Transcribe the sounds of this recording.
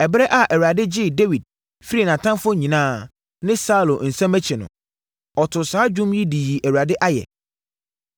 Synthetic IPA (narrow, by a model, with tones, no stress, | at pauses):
ɛ˨bɾɛ˦ʔa˨ʔɛ˨wu˨a˨dɪ˦d͡ʑɪ˦˨de˦wi˨d̚ | fi˦ɾi˦˨nã˨tʰã˦mfʊ˦ɲĩ˨nãː˦ | nɪ̃˦sa˦u˨lo˨n̩˨sɛ̃˦mæ˦t͡ɕʰɛ˨nʊ̰̃˨ | ɔ˨tʰʊ˨saː˦d͡ʑᶣũ˦mji˦di˨ji˨ʔæ˨wɥɾa˨dɪ˦ʔa˦jɛ̰˨